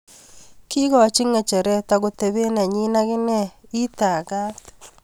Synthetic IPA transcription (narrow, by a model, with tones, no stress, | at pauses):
kɪ˦ɣɔ˨t͡ʃɪ˦ŋɛ˨t͡ʃɛ˨ɾɛ˦ta˨ɡo˨te˨βe˦nɛ˨ɲi˦na˦ɣɪ˦nɛ˦i˦ta˨ɡa˦t